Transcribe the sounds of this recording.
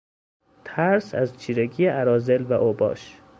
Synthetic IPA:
t̪ʰæɾsæ̰zt͡ʃʰiːɾeɡijeæɾɒːzelvæʔobɒ̰ːʃ

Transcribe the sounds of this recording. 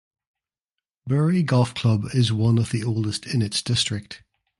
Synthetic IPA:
b̥ɜːɹiɡɒlˠfkʰl̥ʌbɪzwʌ̃nəvðioʊlˠdɪstʰɪ̃nɪtsd̥ɪstɹ̥ɪk̚t

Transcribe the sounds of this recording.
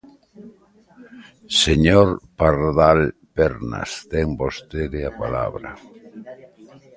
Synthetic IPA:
seɲoɾpaɾðalpɛɾna̰st̪ɛŋbost̪eðɪapala̰βɾɐ̰

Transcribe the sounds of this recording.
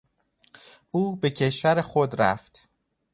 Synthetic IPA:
ʔuːbe̞cʰe̞ʃvæɾexod̪ɾæ̰ft̪

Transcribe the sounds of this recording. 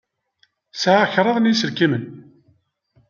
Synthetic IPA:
sʕaçɾˤɑðˤnjisəɾkimən

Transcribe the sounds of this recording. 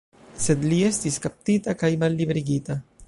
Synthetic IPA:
sed̪liest̪iskap̚t̪it̪akajmalːiβɾiɡit̪a

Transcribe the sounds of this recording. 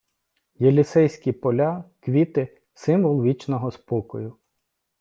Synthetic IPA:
jɛlʲisɛjsʲkʲipɔlʲɑkʋʲit̪ɪ | sɪmʋɔlˠʋʲit͡ʃnɔɦɔspɔkɔjʊ

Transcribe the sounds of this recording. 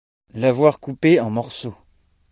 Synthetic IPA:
lavwaʁkupeɑ̃mɔʁso

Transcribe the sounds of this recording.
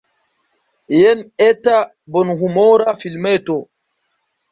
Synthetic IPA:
jɛnɛta | bɔnhumɔɾafilmɛtɔ

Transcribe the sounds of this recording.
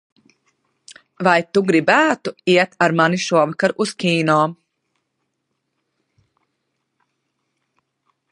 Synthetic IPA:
vajt̪uɡɾibæːt̪uiɛt̪aɾmaniʃuɔvkaɾʔuskiːnɔː

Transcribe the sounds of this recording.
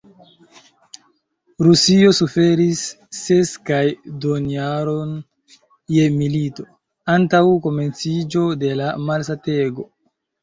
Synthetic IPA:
ɾusio̞sufe̞ɾisː | e̞skajdoniaɾo̞n | je̞milito̞ | antawko̞me̞nt͡sid͡ʒo̞de̞lamalsate̞ɡo̞

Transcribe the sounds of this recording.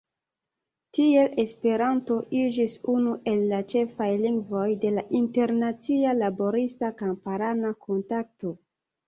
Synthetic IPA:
tie̞lʔe̞spe̞ɾanto̞ʔid͡ʒisunuʔe̞lːat͡ʃe̞fajliŋɡvo̞jde̞laʔinte̞ɾnat͡sialabo̞ɾistakampaɾanakʰo̞ntak̚to̞

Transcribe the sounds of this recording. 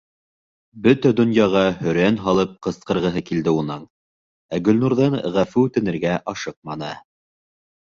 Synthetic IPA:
bɵt̪æd̪ŏnjɑʁɑhɵ̆ɾænɦɑlˠɤp̚qɤ̆sqɤ̆ɾʁɤ̆ɦɤkild̪ɘunɤɴ | æɡɵ̆lnuɾðɤɴʁæfʉʉt̪ɘ̆nɘ̆ɾɡæʔɑʃɤq̚mɑnɤ

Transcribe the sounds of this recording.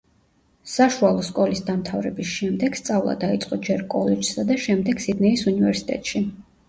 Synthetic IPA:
saʃualˠɔskʼɔlisd̪amt̪ʰavɾɛbisʃɛmd̪ɛɡ̥st̪sʼavlˠa̰d̪ait̪sʼqʼɔd͡ʒɛɾkʼɔlɛd͡ʒsad̪aʃɛmd̪ɛɡsid̪nɛisunivɛɾsi̥t̪ʼɛ̰t̪ʼʃi

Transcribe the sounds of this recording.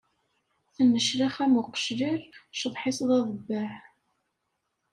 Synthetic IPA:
θənːəʃɾaχæmʊqə̥ʃliɾʃðˤħɪsˤðˤɑðˤəbːaħ

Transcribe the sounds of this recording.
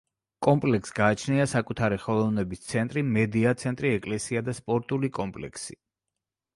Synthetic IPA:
kʼɔmpʼlɛksɡaːt͡ʃʰniasakʼut̪ʰaɾiχɔlˠɔvnɛbist̪sʰɛnt̪ʼɾimɛd̪iat̪sʰɛnt̪ʼɾiɛkʼlɛsiad̪aspʼɔɾt̪ʼulikʼɔmpʼlɛ̰kʰsḭ

